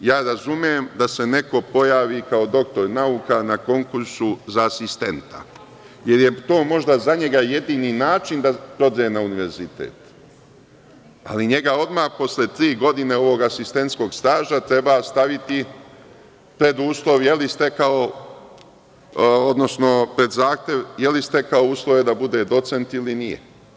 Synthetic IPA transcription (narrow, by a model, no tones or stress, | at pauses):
jaːɾazumjemd̪ase̞ne̞ko̞po̞jaːʋikaod̪o̞k̚t̪o̞ɾnaukanako̞ŋkuɾsuzaːsist̪e̞nt̪a̰ | je̞ɾje̞t̪o̞ːmo̞ʒd̪azaɲe̞ɡaje̞d̪iːninaːt͡ʃind̪apɾo̞d̪aenauniʋe̞ɾzit̪ḛːt̪ | a̰liɲe̞ɡao̞d̪maːhpo̞slet̪ɾiːɡo̞d̪ine̞o̞ʋo̞ɡasist̪e̞nt̪sko̞ːɡst̪aːʒat̪ɾe̞bast̪aʋit̪i | pɾe̞d̪uːslˠo̞ʋjelist̪e̞kao | od̪no̞sno̞pɾe̞d̪zaːxt̪je̞ʋjelist̪e̞kaouːslˠo̞ʋe̞d̪abud̪e̞d̪o̞t̪se̞nt̪ilinijḛ